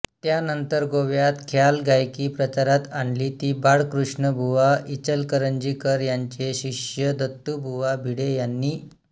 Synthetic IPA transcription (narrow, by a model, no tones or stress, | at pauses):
t̪janənt̪əɾɡoʋjat̪kʰjalɡʱajkiːpɾət͡ɕaɾat̪aɳliːt̪iːbaɽkɾuʂɳəbʱuʋaʔit͡ɕəlkəɾəɲd͡ʑikəɾjaɲt͡ɕeɕiʂjəd̪ʱət̪ːubʱuʋabʱiɽejanːiː